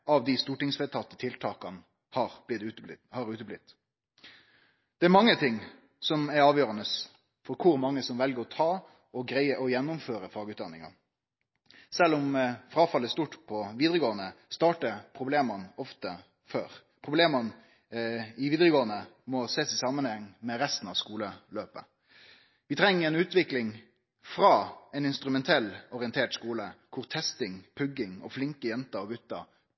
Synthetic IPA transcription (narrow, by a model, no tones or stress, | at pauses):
ɑʋd̪ɪst̪uːʈɪŋsfɛt̪ʰɑt̪ːət̪ʰɪlt̪ʰɑːkɑn | hɑɾɪhɑɾʉːt̪əblɪt̪ː | d̪̥ɛæɾmɑŋːət̪ʰɪŋː | sɔmæɾɑːʋjøːɾɑnəs | fɔɾkʰʊɾmɑŋːəsɔmʋɛlɡəɾɔt̪ʰɑː | ɔɡɾæɪəʔɔjɛnːʊmføːɾəfɑːɡəʉːt̪d̪ɑnːɪŋɑ̰ | sɛlːɔmfɾɑːfɑlːəst̪uːʈpʰɔʋiːd̪ʁəɡoːənəst̪ɑːʈəpʰʁʊbleːmɑnɔft̪ə | føːɾ | pʰʁʊbleːmɑn | ɪʋiːd̪ɾəɡoːənəmɔseːsɪsɑːmːənhɛŋːmɛɾɛst̪n̩ɑʋskuːləløːpə | ʋɪt̪ʰɾɛŋːəɾɛnʉːt̪ʋɪklɪŋ | fɾɑːɛnɪnst̪ɾʉmɛnt̪ʰɛlːɔʁɪənt̪ʰeːʈskuːləkʰʊʁt̪ʰɛst̪ɪŋpʰʉɡːɪŋɔ̰flɪŋkəjɛnt̪ɑɾɔɡʉt̪ːɑ